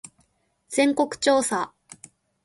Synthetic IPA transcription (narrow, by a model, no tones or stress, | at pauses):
z̥ẽ̞ŋko̞kɯ̟̥t͡ɕo̞ːsa